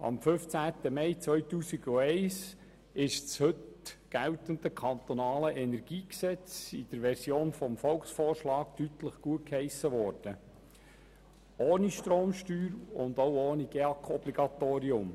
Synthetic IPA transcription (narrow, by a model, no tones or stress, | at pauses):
ɑ̰mfʏft͡sæːt̪əmɛɪt͡sʋœʏtuːsiɡ̥uɛɪs | ɪʃt͡shɵtɡ̥æltənd̪əkʰɑnt̪ɔnɑːləʔɛnɛɾɡ̥iːksɛt͡sid̥əɾʋɛɾsjoːnfɔmfɔlksfɔːrʃlɑːktytləχɡ̥uət̚khɛɪsəʋɔːɾd̥ə | oːniʃtɾoːmʃtyːɾʊnd̪owoːniɡ̥eɑkʰɔb̥liɡ̥ɑt̪oːɾiʊm